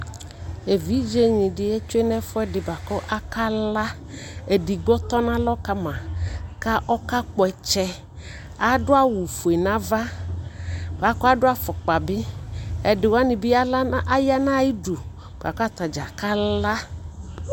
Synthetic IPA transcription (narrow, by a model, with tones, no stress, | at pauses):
e˨vi˨˦d͡ʒe˦ɲĩ˨dɪ˨ɛ˦t͡ʃʊ˦e˦nɛ˦fɔ˦ɛ˦dɪ˨ba˨kɔ˦ʔa˦ka˦la˦ | e˨di˨ɡɔ˦t̪ɔ˦nã˦lɔ˦ka˦mã˨ka˦ʔɔ˦ka˦k͡pɔ˨ɛ˨t͡ʃɛ˦ | a˨dʊ˦a˦wu˨fu˨e˨nã˦va˦ | ba˨kɔ˦a˦dʊ˦a˦fɔ˨k͡pa˨bɪ˦ɛ˨dɪ˨wa˦nɪ˨bɪ˦a˦lʔa˦ja˦nã˦ji˦du˨ | b̥a̰˨kɔ˦a˦t̪a˨d͡ʒa˨ka˦la˦